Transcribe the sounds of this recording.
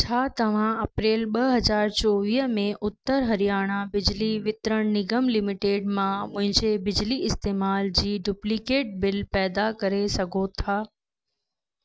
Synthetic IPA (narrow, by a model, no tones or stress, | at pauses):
t͡ɕʰaːt̪ɐʋ̤ãɐpɾeːlɓɐɦɐzaːɾt͡ɕɔːʋiːɦəmẽʔʊt̪ːəɾɦɐɾijaːɽ̃abɪd͡ʑliʋɪt̪ɾəɽ̃nɪɡəmlɪmɪʈeːɖmãmʊ̃ɦɪ̃ɲd͡ʑebɪd͡ʑliɪst̪eːmaːld͡ʑiːɖuplikeːʈ̚bɪlpɛːd̪akɐɾesɐɡʱot̪ʰaː